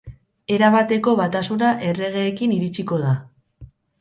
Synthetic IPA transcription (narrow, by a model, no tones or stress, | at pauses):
e̞ɾaβat̪e̞ko̞βat̪asunaʔe̞re̞ɣ̞e̞ːkiniɾit͡siko̞ð̞a